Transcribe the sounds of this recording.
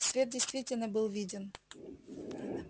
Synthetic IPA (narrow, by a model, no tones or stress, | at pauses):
svʲet̪̚dʲɪjst̪vʲitʲɪlʲnəbɨlˠvʲidʲɪn